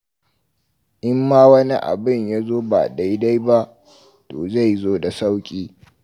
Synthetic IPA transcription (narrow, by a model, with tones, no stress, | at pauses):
ʔɪ˦mːaː˦wɐ˦ni˦ʔa̰˨bɪ˦˨ɲjaː˦zoː˦ba̰ː˨da˦jda˦jba˦ʔ | toː˨za˦˨jzoː˦da˨sa˦wkʲʼiː˦